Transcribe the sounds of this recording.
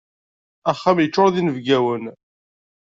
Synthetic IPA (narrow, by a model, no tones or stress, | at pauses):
æχːæmjət͡ʃːʊɾˤðinəvɡæwən